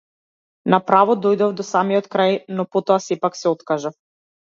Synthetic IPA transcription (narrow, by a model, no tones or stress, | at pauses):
napɾavɔd̪ojd̪ɔvd̪ɔsamiɔt̪kɾajnɔpɔt̪ɔasɛpaksɛɔt̪kaʒaf